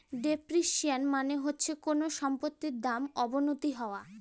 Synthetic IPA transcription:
ɖepɾiʃianmaneɦotːɕʰekonoʃɔmpot̪ːiɾd̪amɔbonot̪iɦɔoa

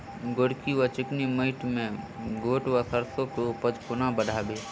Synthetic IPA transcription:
ɡoɽkiwat͡ʃɪkniməɪʈmẽɡoːʈwasəɾsõkeʊpəd͡ʒkʊnabəɽʱabeː

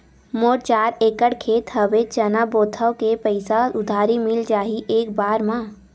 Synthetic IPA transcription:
moːɾt͡ʃaːɾeːkəɽkʰeːt̪ɦəʋet͡ʃənaboːt̪ʰəʋkepəɪsaʊd̪ʱaːɾimɪld͡ʒaːɦiʔeːkbaːɾmã

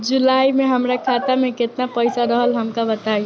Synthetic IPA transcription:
d͡ʒulaimeɦəmɾakʰat̪amẽket̪napəɪsaɾəɦəlɦəmkabət̪ai

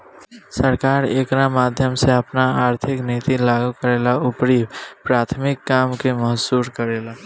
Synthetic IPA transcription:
səɾkaːɾḛːkɾamaːd̪ʱjəmseəpnaaːɾt̪ʰɪkneːt̪ilaːɡukəɾeːlaʊpɾibpɾaːt̪ʰmɪkːaːmkeməɦsuːɾkəɾeːla

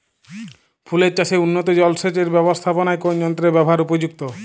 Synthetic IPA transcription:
pʰuleɾt͡ɕaseunːot̪od͡ʑɔlset͡ɕeɾbɛbost̪ʰaponaekond͡ʑɔnt̪ɾebɛbʱɦaɾupod͡ʑuk̚t̪o

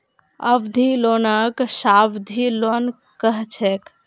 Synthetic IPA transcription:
əbd̪ʱilonəksabd̪ʱilon | kəɦt͡ʃʰɛk

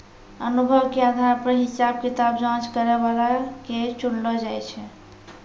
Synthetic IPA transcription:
ənubʱəbkead̪ʱaɾpɾəɦisab̚kit̪abd͡ʒãt͡ʃkəɾeβalaket͡ʃuɽlɔd͡ʒajt͡ʃʰɛ

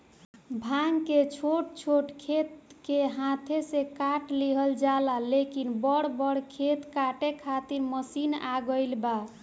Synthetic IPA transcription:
bʱaŋket͡ʃʰoʈ̚t͡ʃʰoʈkʰet̪keɦãt̪ʰesekaʈliɦəld͡ʒalalekinbəɽbəɽkʰet̪kaʈekʰat̪iɾməsina̰ɡəɪlba

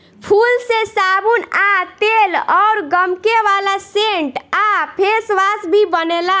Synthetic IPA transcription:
pʰulsesabunat̪elɔʊɾɡəmkeʋalaseɳʈapʰesʋasbʱibənela

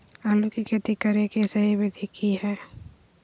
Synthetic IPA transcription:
alukikʰet̪ikːəɾekesɐɦiʋed̪ʱikʰihɛː

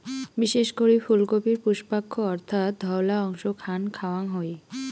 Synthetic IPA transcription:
biʃeʃkoɾifulkopiɾpuʃpakʰːoɔɾt̪ʰat̪̚d̪ʱɔwlaɔŋʃokʰankʰawaŋɦɔj

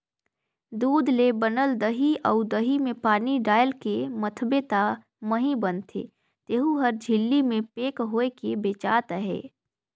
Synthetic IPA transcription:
d̪uːd̪lebənəld̪əɦiɔ̰ʊd̪əɦimẽpaːniɖaːjəlkemət̪ʰbet̪a | məɦĩbənt̪ʰḛː | t̪eːɦuɦəɾd͡ʒʱɪlːimẽpeːkɦoːekebeːt͡ʃa̰ːt̪əɦḛː

